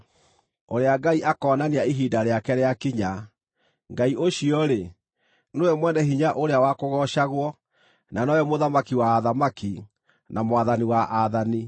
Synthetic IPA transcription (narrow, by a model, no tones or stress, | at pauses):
oɾeaɡaiʔakɔːnaneaiɦiːdaɾeakɛɾeakiɲa | ŋɡaiʔoɕiɔɾe | nowɛmwɛnɛɦiɲaʔoɾeawakoɣɔʃaɣwɔ | nanɔjɛmoðamakiwaːðamaki | namowaðaniwaʔaðani